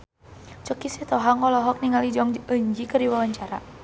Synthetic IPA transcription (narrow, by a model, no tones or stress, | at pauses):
t͡ʃəkisiht̪ɔɦaŋɔlɔɦɔk̚niŋalid͡ʒɔŋəɲd͡ʒikərdiwawaɲt͡ʃaɾa̰